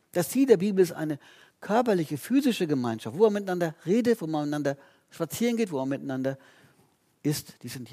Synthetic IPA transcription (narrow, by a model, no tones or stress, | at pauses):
d̥ast͡siːldeːɐbiːbl̩ɪstʔa̰ɪnə | kʰœɐpɐlɪçəfyːzɪʃəɡəmaɪnʃaftv̥oːeɐmɪtanandɐʁeːdətv̥oːmannandɐ | ʃpat͡siːʁənɡeːtv̥oːmaɐmɪtanandɐ | ʔɪstd̥iːzɪnt